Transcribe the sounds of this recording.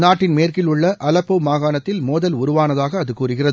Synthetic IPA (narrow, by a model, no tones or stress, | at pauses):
naːʈːɪnmeːrkɪlʊɭːɐʔɐlɐpːoːmaːɣaːnɐt̪ːɪlmoːðɐlʊɾʊʋaːnɐðaːɣɐːðɯkuːrɯɣɪrɐðɯ